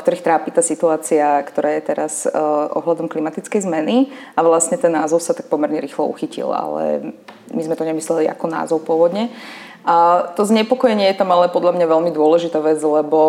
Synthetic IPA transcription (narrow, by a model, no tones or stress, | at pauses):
kt̪ɔɾiːxt̪ɾaːpit̪aːsit̪uaːt͡siakt̪ɔɾaːjɛt̪ɛɾasʔɔ̰ɦlad̪ɔmklimat̪it͡skɛjzmɛni | aʋlasɲɛt̪ɛnːaːzɔʊsat̪ak̚pɔmɛɾɲɛɾiːxlɔṵxicḭla̰lɛ̰ | mizmɛt̪ɔɲɛmislɛlia̰kɔna̰ːzɔʊpʊɔʋɔd̪ɲɛ | at̪ɔzɲɛpɔkɔjɛɲɪɛjɛt̪amalɛpɔd̪lʎamɲaʋɛʎmid̪ʊɔlɛʒit̪aːʋɛd͡zlɛbɔ